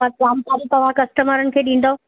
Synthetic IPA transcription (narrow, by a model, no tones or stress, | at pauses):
akaːmsaːɾit̪ɐʋ̤ãkɐsʈəməɾənɪ̆kʰeːɗĩːn̆d̪o